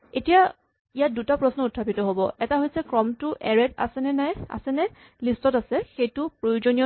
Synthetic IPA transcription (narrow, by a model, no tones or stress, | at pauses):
etija | ijat̚dutapɹɔsnɔutʰːapitɔɦobɔɛtaɦojsɛkɹɔmtʊʔɛɹɛta̰sɛnɛnaja̰sɛnɛ | listɔtasɛxejtʊpɹojuzonijɔ